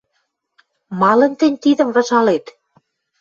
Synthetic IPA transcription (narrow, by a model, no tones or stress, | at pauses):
mɑlə̆nt̪ɘ̆nʲt̪id̪ə̆mrɑ̆ʒɑlet̪